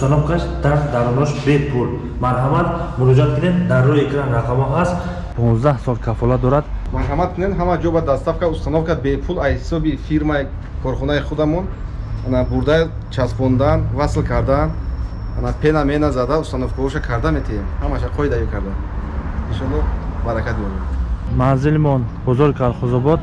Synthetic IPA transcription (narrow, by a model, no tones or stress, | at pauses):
ust̪anɔfkʰaʃd̪ad̪aɾɔnɔʃbepʰul | maɾɦamat̪muɾɔd͡ʒiat̪kʰɨned̪d̪aɾːɔiekʰɾanɾaqʰamaɦast̪ | pʰɔ̃nzd̪ahsɔlkʰafɔlad̪ɔɾad̪maɾɦamat̪̚kʰunenɦamad͡ʒɔbad̪ast̪afkʰaust̪anɔfkabepʰulajhisɔbifiɾmai | kʰɔɾχɔnaiχud̪amɔnanabuɾd̪a | t͡ʃʰaspʰɔnd̪anvaslkʰaɾd̪an | anapʰenamenazad̪aust̪anɔfɡɔɾɔʃakʰaɾd̪amet̪ʰiemhamaʃaqʰɔid̪ajikʰaɾd̪aniʃɔnɾɔbaɾakʰat̪jɔɾed̪manzilmɔnbɔzɔɾkʰaɾχɔzɔbɔd̪